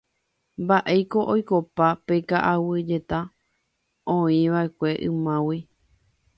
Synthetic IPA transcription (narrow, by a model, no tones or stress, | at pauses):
mbaʔe̞jko̞ʔojko̞papekaʔawɨd͡ʒe̞t̪a | õĩʋaʔe̞kʷe̞ʔɨ̃mãwi